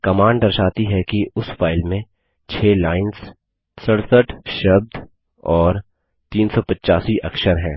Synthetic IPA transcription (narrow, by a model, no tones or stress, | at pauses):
kɐmãːɳɖɖɐɾʃaːt̪iɦɛkiʊsfaːɪlmẽ | t͡ʃʰeːlaːɪns | səɽsəʈʰʃɐb̚d̪ | ɔːɾ | t̪iːnsɔpɐtːt͡ʃaːsiʔɐkʃəɾɦɛ̃ː